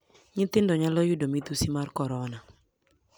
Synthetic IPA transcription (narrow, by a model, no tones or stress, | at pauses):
ɲɪt̪ɪndɔɲalɔjʊdomid̪usimarkɔɾɔna